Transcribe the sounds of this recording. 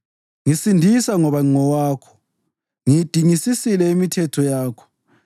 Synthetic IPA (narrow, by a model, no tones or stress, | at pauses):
ŋisindʱisaŋɔβaŋ͡ǀɔwaːkʰɔ̥ | ŋijd̥ʱiŋisisilɛimitʰɛtʰɔjaːkʰɔ̥